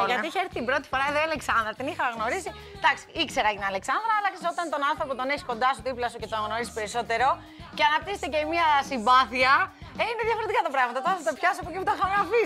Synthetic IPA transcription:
ʝɐt̪iiçeeɾθit̪imbɾo̞t̪i̥fo̞ɾɐeðoiɐleksɐnd̪ɾɐt̪inixɐɣno̞ɾisi | d̪̥ɐksi̥ikse̞ɾɐʝinɐle̞ksɐnd̪ɾɐɐlɐksesot̪ɐnt̪o̞nɐnθɾo̞pot̪o̞neçisko̞nd̪ɐsuðiplɐsuce̞t̪oɣno̞ɾisi̥pe̞ɾiso̞t̪e̞ɾo̞ | ceɐnɐp̚t̪iset̪eceimiɐsimbɐθiɐeineðʝɐfoɾet̪ikɐt̪ɐpɾɐɣmɐt̪ɐt̪oθɐt̪ɐpçɐsoɐpociput̪ɐxɐmɐfi

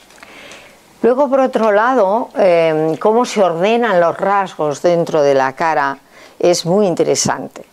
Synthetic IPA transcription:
lwe̞ɣ̞o̞po̞ɾo̞t̪ɾo̞lað̞o̞emko̞mo̞se̞o̞ɾðe̞nanlo̞zrazɣo̞zðe̞nt̪ɾo̞ðe̞la̰kaɾa | e̞zmujint̪e̞ɾe̞sa̰nt̪e̥

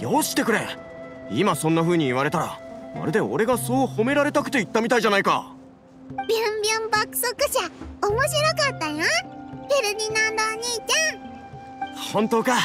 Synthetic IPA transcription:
jo̞ːɕi̥t̪e̞kɯ̟ɾe̞ | imasõ̞nːaɸɯ̟ːɲ̟iːβaɾe̞t̪aɾa̰na̰ɾɯd̪e̞o̞̰ɾe̞ɡaso̞ːhome̞ɾaɾe̞t̪akɯ̟̥t̪e̞it̪ːamʲit̪aiʑanaika̰ | bʲjõmbʲjõmbakɯ̟̥sokɯ̟ɕaomoɕiɾokat̪ːajãkʲeɾɯɲinãnd̪aɲ̟it͡ɕa | hõ̞nt̪o̞ːka

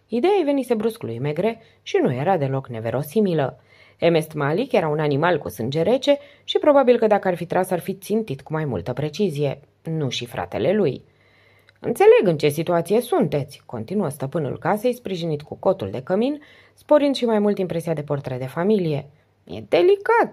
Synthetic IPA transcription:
id̪e̞ajve̞nise̞bɾusklṵjme̞ɡɾe̞ | ʃinuje̞ɾad̪e̞lo̞kne̞ve̞ɾo̞similə | e̞me̞st̪malikje̞ɾaunanimalkṵsɨnd͡ʒe̞ɾe̞t͡ʃe̞ | ʃipɾo̞babilkəd̪akəarfit̪ɾasarfit̪sint̪it̪kumajmṵlt̪əpɾe̞t͡ʃizije̞ | nuʃifɾa̰t̪e̞̰le̞luj | ɨ̰nt̪se̞le̞ɡɨnt͡ʃe̞sit̪uat̪sije̞sunt̪e̞t̪sʲko̞nt̪inuəst̪əpɨnṵlkase̞jspɾiʒinit̪kuko̞t̪uld̪e̞kəmin | spo̞ɾɨnd̪ʃimajmult̪impɾe̞sijad̪e̞port̪ɾed̪e̞familije̞ | jḛd̪e̞likat̪

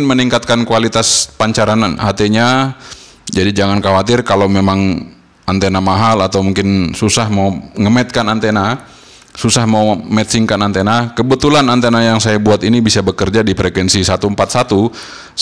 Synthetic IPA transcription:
nməniŋkat̪̚kankualit̪aspaɲt͡ʃaɾanɦat̪eɲa | d͡ʒadid͡ʒaŋankawat̪ɪrkalawmemaŋ | ant̪enamaɦalat̪awmuŋkɪnsusahmauŋəmɛt̪̚kanant̪ena | susahmaumɛt̪siŋkanant̪enakəbət̪ulanant̪enajaŋsajabuat̪inibisabəkərd͡ʒadipɾɛkwɛnsisat̪uəmpat̪̚sat̪u

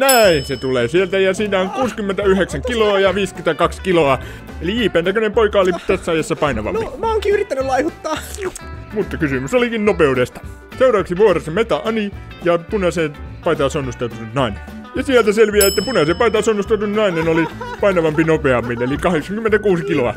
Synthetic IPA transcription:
næinset̪uleːsielt̪æjɑsiːnæoŋkuːskymːent̪æyheksæŋkiloɑjɑʋiːskynt̪ækɑkskiloɑ | eliiːpæːnækønempoikɑolit̪æsːæɑjɑsːɑpɑinɑʋɑ̰mpimɑoŋkiyrit̪ːænylɑihut̪ːɑː | mut̪ːɑkysymysolikinnopeudest̪ɑ̥ | seurɑːˑʋɑksiʋuorɑsːɑmet̪ɑʔɑni | jɑpunɑseˑpɑit̪ɑsonːust̪ɑut̪ununɑinen | jɑsielt̪æselʋiæet̪ːæpunɑsepɑit̪ɑːˑsonːust̪ɑut̪unnɑinenolipɑinɑʋɑmpinopeɑmːinelikɑheksɑŋkymːent̪ækuːsikiloɑ

